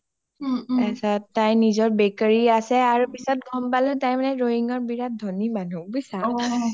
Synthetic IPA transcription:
ɛsatajnizɔɹbɛkaɹiasɛaɹupisɔt̚ɡʱɔmpalɔtajmanɛɹoɦiŋɔɹbiɹat̚dʱonimanubisa

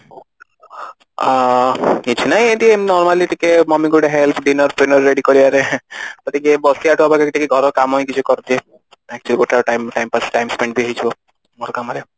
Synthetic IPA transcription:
nit͡ʃʰinajed̪ienɔɾmaliʈikemɔmiɡuɖeɦelpʰɖinɔɾpɾenɔɾːeɖikɔɾiaɾek̪ɔt̪ikebɔsiaʈuabakekiʈʰikeɡʱɔɾɔkamɔjkit͡ʃʰukɔɾt̪ie | ɛk̚t͡ʃualiɡoʈʰaʈajmʈajmpasʈajmspeɳɖbiaɦit͡ʃʰibɔ | mɔɾkamaɾe

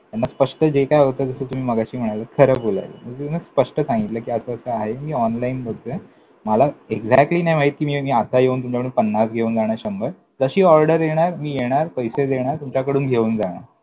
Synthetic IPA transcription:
t̪janːaspəʂʈəd͡ʑekajot̪əːd͡zəsəːt̪um̤iːməɡaɕiːm̤əɽ̃ajləkʰəɾəːbola̰lḛməɡd͡ʑet̪unəspəʂʈəsãŋɡit̪ləːkiːəsəəsəːaɦemiːɔnlainbot̪e | məlaeɡd͡zak̚ʈliːnajmaɦiːt̪̚kiːmiːmiːat̪ajeuːnt̪umt͡ɕapɽipənːasɡʱeuːnd͡zaɽ̃aɾɕəmbəɾ | d͡zəɕiːɔɾɖəɾjeɽ̃aɾmiːjeɽ̃aɾpəjsed̪eɽ̃aɾt̪umt͡ɕakəɽuːnɡʱeuːnd͡zaɽ̃a̰ɾ

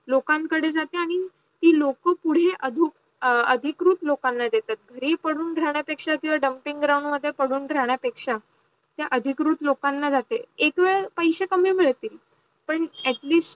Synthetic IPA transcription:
lokãŋkəɽed͡zat̪eaɽ̃i | t̪iːlokəpuɽ̤eʔəd̪ʱuk | əd̪ʱikɾuːt̪lokanːad̪et̪at̪̚ɡʱəɾiːpəɽ̤uːnɖʱɾaɳ̃japekʂakĩw̃ʋaɖəmpiŋɡɡɾauɳɖməd̪ʱːjepəɽ̤uːnɖʱɾaɳ̃japekʂa | t̪jaʔəd̪ʱikɾuːt̪lokanːad͡zat̪eekʋeɭpəjɕekəmiːmiɭt̪iːl | pəɳæʈliːsʈ

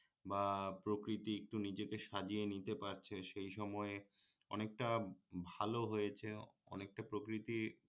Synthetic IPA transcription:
bapɾokɾit̪iek̚ʈunid͡ʑekeʃad͡ʑienit̪epaɾt͡ɕʰeʃejʃɔmɔe | ɔ̰nek̚ʈabʱaloɦojet͡ɕʰeɔ̰nek̚ʈapɾokɾit̪i

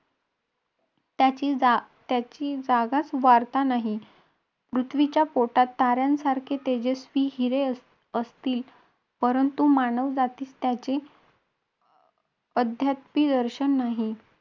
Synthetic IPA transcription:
t̪at͡ɕit̪jat͡ɕiːd͡zaɡat͡sʋaɾt̪anaɦi | pɾut̪ʰʋit͡ɕjapoʈat̪ːaɾjãnsaɾkʰet̪ed͡ʑesʋiːɦiɾe | əst̪iːl | pəɾənt̪umaɳəʋd͡zat̪iːst̪jat͡ɕe | əd̪ʱjat̪pid̪əɾɕənːaɦi

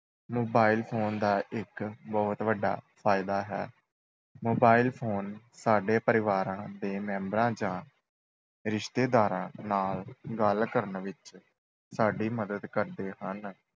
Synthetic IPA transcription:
moːbaːilpʰoːnd̪aːʔɪkbɔːt̪ʋəɖːa̰ːpʰaːɪd̪aːɦɛ̰ː | moːbaːilpʰoːn | saːɖeːpəɾɪʋaːɾãːd̪eːmɛ̃ːmbɾãːd͡ʒãː | ɾɪʃt̪eːd̪aːɾãːnaːlɡəlkəɾnʋɪt͡ʃ | saːɖiːməd̪əd̪kəɾd̪eːɦən

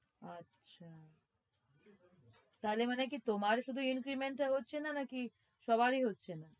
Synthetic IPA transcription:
atːʃʰa | t̪aɦlemanekit̪omaɾʃud̪ʱuinkɾimeɳʈːaɦotːɕʰenanaki | ʃɔbaɾiɦotːɕʰena

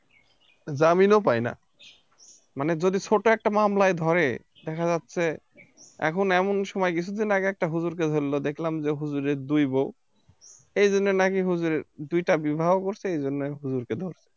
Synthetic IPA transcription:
zaminop̬ajna̰ | maned͡ʑod̪it͡ɕʰoʈoɛk̚ʈamamlaed̪ʱɔɾe | d̪ɛkʰazat̪ːɕʰe | ɛ̰kʰonɛmonʃɔmɔjkit͡ɕʰud̪ʱinaɡeɛk̚ʈaɦuzuɾk̬ed̪ʱoɾilod̪ekʰlamd͡ʑeɦuzuɾeɾd̪ujbow | ejd͡ʑonːenakiɦuzuɾeɾd̪ujʈabibʱabokoɾt͡ɕʰeejd͡ʑonːeɦuzuɾked̪ʱoɾsʰe̥

